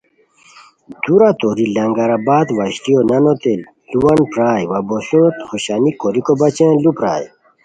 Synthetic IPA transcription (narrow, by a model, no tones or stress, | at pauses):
d̪̥uɾat̪oɾilɐŋɡɐɾabaːd̪waɕt̪ijonɐnot̪el | luwɐnpɾaːjwɐbosot̪xoɕaːnikoɾikobɐt͡ɕẽlupɾa̰ːj